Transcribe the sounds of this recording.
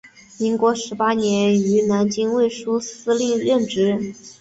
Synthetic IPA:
mi˧˥ŋkwɔ˧˥ʂɻ̩˧˥pa˥njɛ˧˥ny˧˥na˧˥nt͡ɕi˥ŋwe˥˩ɪʂu˥sɹ̩˥li˥˧ŋɻə˥˩nʈ͡ʂɻ̩˧˥

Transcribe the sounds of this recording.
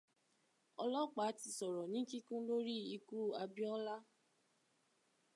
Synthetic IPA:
ɔ˧lɔ˦k͡pa˨˦ti˧˨sɔ˨ɾɔ˨nĩ˨˦ki˦kũ˦lo˦ɾi˦i˧ku˦˨a˧bĩ˦ɔ˦la˦

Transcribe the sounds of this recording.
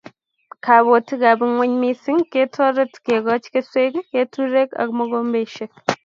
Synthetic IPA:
kʰaː˨βo˨ti˦ɡaː˨bɪ˦ŋwɐ˦ɲmi˦si˦ŋkeː˦tʰɔː˦ɾɐ˦tkeː˨ɡɔ˦t͡ʃke˦se˦ɡkeː˦tʰu˦ɾe˦kɐ̰˨kmɐ˦ɡoːmbe˨ʃɐk

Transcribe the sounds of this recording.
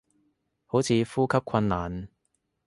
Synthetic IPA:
ho˨˥wt͡sʰiː˨˧fuː˥kʰɐ˥p̚kʰɐ˧nːaː˨˩n

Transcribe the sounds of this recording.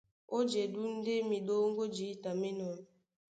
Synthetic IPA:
o˦d͡ʒe˨du˦n̩˦dɪ˦mi˨do˦ŋ̩˦ɡo˦d͡ʒi˨˦ta˨me˦nɔ˨˦n˨

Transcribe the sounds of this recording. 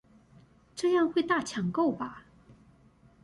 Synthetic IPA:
ʈ͡ʂɤ˥˧jɑ˥˧ŋxwe˥˧ɪt̪a˥˩t͡ɕʰjɑ˨˩ŋko˥˩ʊba˩

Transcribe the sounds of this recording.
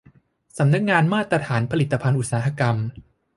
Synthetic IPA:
sa˩˦mna˦˥k̚ŋaː˧nmaː˥˩t̪ɾa˧t̪ʰaː˩˦npʰa˧li˨˩t̪ːa˧pʰa˧nʔu˨˩t̪̚saː˩˦ɦa˧ka˧m

